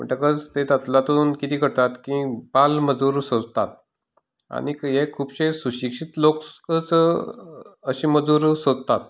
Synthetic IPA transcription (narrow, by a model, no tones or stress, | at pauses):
mə̰ɳʈəkət͡st̪et̪at̪lat̪uːnkit̪iːkəɾt̪at̪kibalməd͡zuɾsod͡zt̪at̪̚ | a̰nikjekʰuːbɕesuɕikʂit̪lokkət͡s | əɕiːməd͡zuːɾsod̪t̪at̪̚